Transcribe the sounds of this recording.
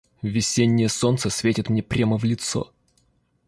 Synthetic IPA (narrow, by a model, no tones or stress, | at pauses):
vʲɪsʲenʲːɪjəso̞nt̪səsʲvʲetʲɪt̪mnʲepɾʲaməvlʲɪt̪so̰